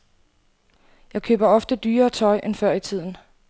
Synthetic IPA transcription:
jɑ̈ɪkʰø̰ːb̥ɐɒ̽fd̥əd̥yːɐːt͡sʰɒ̽ɪʔenfɶɐ̰it͡sʰið̞̰ˠn̩

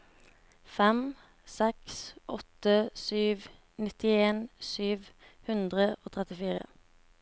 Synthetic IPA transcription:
fɛm | sɛksʔɔt̪əsyːʋ | nɪt̪ɪeːnsyːʋhʉnd̪ʁəʔoːt̪ʰʁɛt̪ɪfiːʁə̰

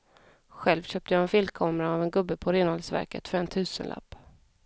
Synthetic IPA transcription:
ɧɛlvɕøːp̚t̪əjɑːɛnfɪlkʰɑːmɾaːvɛnɡɵbːəpʰɔɾeːnhɔlsvæ̰ɾkə̰t̪fœɾɛnt̪ʰʉ̟ːsə̰nlʔa̰pː

